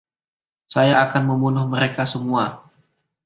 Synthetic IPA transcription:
sajaːkanməmbunʊhməɾekasəmua

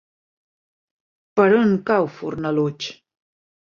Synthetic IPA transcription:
pəɾoŋkawfuɾnəlut͡ʃ

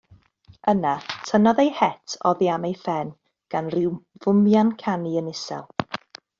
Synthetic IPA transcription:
ənatʰənɔðejhɛtʰɔðjamejfɛn | ɡ̥anrɪwvʊmjankʰaniənɪsɛ̰lˠ

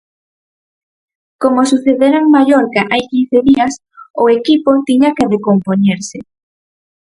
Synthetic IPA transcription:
komosuθeðeɾaeŋmaʎoɾkaʔajkin̟θeðiɐs | ʊekipot̪iɲakeðekompoɲeɾsɪ

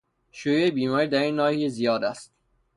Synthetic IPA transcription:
ʃujeebiːmɒːɾiːd̪æɾinːɒːhijezijɒːd̪æst̪

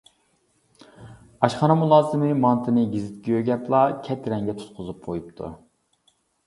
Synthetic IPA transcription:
ɑʃχɑnɑmulˠɑːzɨmɨmɑnt̪ʰɨnɨɡʲizɪt̪̚kʲɛøɡʲɛplˠɑkʲʰɛt̪ʰɾɛŋɡʲɛt̪ʰu̥t̪̚qʰʊzup̚qʰojupt̪ʰṵ

